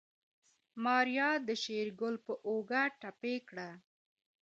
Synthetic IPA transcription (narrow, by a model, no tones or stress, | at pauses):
mɑɾjɑd̪əʃeɾɡʊlpəʔoɡaʈapekɽa